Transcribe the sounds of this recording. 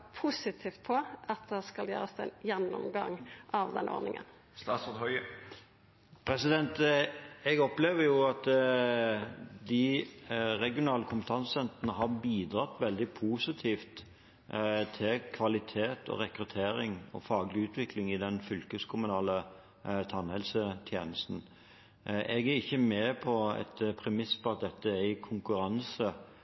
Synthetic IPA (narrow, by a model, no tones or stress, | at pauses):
pʰusɪt̪ʰiːft̪̚pʰɔɑt̪̚d̪ɛskɑljø̰ːɾəsd̪ɛnjɛnːɔ̰mɡɑŋʔɑʋd̪ɛ̰nʔo̰ːɾnɪ̰ŋə̰n | st̪ɑːt̪sɔʁd̪hœʏə | pʰɾɛsɪd̪ɛnt̪ | ɛɡɔpleːʋəɾjʊɑt̪ | d̪ɪ | ɾɛɡɪʊnɑːləkʰʊmpət̪ʰɑnsɛnt̪ʁənəɦɑɾbiːd̪ɾɑt̪ʋɛld̪ɪpʰuːsɪt̪ʰiːft̪ | t̪ʰɪlkʰʋɑlɪt̪ʰeːt̪ʰɔ̰ɾɛkɾʉt̪ʰeːɾɪŋɔ̰fɑːɡlɪʉːt̪ʰʋɪklɪŋɪd̪ɛnfʏlkəskʰʊmʉnɑːlə | t̪ʰɑnhɛlsət̪ʰjḛːnəst̪n̩ | ʔɛɡæɾɪçːəmeːpʰɔɛ̰t̪pʰɾɛmɪspɔɑt̪̚d̪ɛt̪ːəæɾɪkʰʊŋkʉɾɑnsə